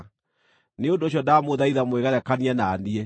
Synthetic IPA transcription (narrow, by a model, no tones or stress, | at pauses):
neondoɕ̬jɔdamoðaiðamweɣɛɾɛkaniɛnaːniɛ